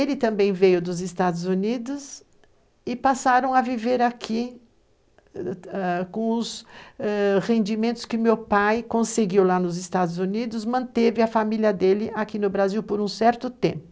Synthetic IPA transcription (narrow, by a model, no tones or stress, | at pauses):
elɪt̪ɐ̃mbẽj̃vejʊd̪ʊzɪst̪ad̪ʊzunid̪ʊs | ɪpasaɾɐ̃w̃ɐviveɾakʰi | ɛkõʊsɛʁẽnd͡ʒimẽnt̪ʊ̥skɪmewpajkõseɡiwlanʊzɪst̪ad̪ʊzunid̪ʊzmɐ̃nt̪evɪɐfamiljɐd̪elɪʔakinʊbɾaziwpoɾũsɛɾt̪ʊt̪ẽpʊ